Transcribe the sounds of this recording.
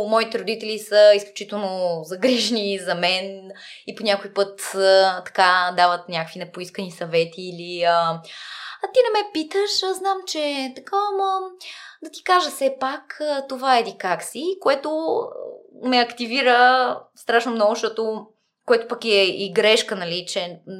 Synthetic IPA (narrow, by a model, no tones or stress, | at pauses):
mɔit̪ɛɾod̪it̪ɛlisəisklʲut͡ʃit̪ɛlˠnozɐɡɾiʒnizɐmɛniponʲakoipɤt̪t̪ːɐ̥kad̪avət̪nʲakəkvinɐpoiskənisɐvɛt̪ʰiːliə | ɐt̪inɐmɛpit̪əʃznamt͡ʃɛt̪ɐkaməd̪ɐt̪i̥kaʒəsɛpakət̪ovaɛd̪ikaksikoɛt̪o | mɛɐkt̪iviɾəst̪ɾaʃnomnɔɡʊʃt̪ɔt̪o | koɛt̪opɐkiɛiɡɾɛʃkənɐlit͡ʃɛ